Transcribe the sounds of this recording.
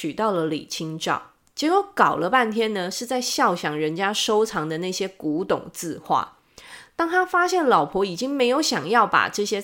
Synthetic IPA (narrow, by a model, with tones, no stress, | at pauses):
y˨˩t̪ɑ˥˩ʊlə˩lḭ˨˩t͡ɕʰi˥ŋʈ͡ʂɑ̰˥˩ʊ | t͡ɕjɛ˧˥kwo˧˥kɑ˨˩ʊlə˦pa˥˩nt̪ʰjɛ˥nnə˨ʂɻ̩˥˧t͡sa˥˧ɪɕjɑ˥˩ʊɕjɑ˨˩ŋɻə˧˦nt͡ɕja˥ʂo˥ʊʈ͡ʂʰɑ˧˥ŋd̪ə˧na˥˩ɕjɛ˥ku˨˧˥t̪ʊ̰˨˩ŋt͡sɹ̩˥˧xwa̰˥˩ | t̪ɑ˥˩ŋt̪ʰa˥fa˥ɕjɛ˥˩nlɑ˨˩ʊpʰwɔ˧˥i˨˩t͡ɕi˥ŋme˧˥ɪjo˧˥ʊɕjɑ˨˩ŋjɑ˥˩ʊpa̰˨˩ʈ͡ʂɤ˥˩ɕjɛ˥